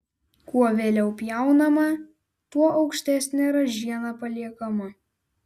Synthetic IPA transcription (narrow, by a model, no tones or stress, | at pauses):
kuɔʋʲeːlʲɛʊpʲjæˑʊnɐmɐ | t̪uɔʔɐʊkʃʲt̪ʲæːsʲnʲɛɾɐʒʲiɛnɐpɐlʲiɛkɐmɐ